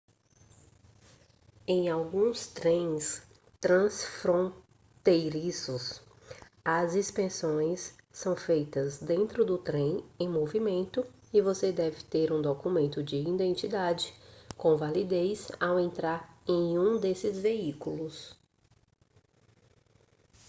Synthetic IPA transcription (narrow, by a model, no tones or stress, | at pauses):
ẽj̃awɡũst̪ɾẽj̃s | t̪ɾɐ̃sfɾõ | t̪ejɾisʊs | ɐzispẽsõj̃sːɐ̃w̃fejt̪ɐzd̪ẽnt̪ɾʊd̪ʊt̪ɾẽj̃ẽj̃movimẽnt̪ʊ | ɪvosed̪ɛvɪt̪eɾũd̪okumẽnt̪ʊd͡ʒɪĩd̪ẽnt͡ʃid̪ad͡ʒɪkõvalid̪ejsawẽnt̪ɾaɾẽj̃ũd̪esɪzveikulʊs